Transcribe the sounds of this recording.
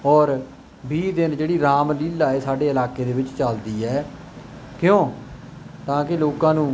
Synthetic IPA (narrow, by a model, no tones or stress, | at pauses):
ɔːɾ | biːd̪ɪnd͡ʒeːɽiːɾaːmliːlːaːeːsaːɖeːəlaːkeːd̪eːʋɪt͡ʃt͡ʃəld̪iːɛː | kɪjõː | t̪ãːkɪloːkãːnũː